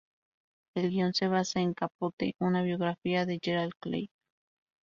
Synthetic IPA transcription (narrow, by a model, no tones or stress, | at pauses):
elɡionseβasaeŋkapot̪ḛʔunaβjoɣɾafiaðed͡ʒeɾalklḛj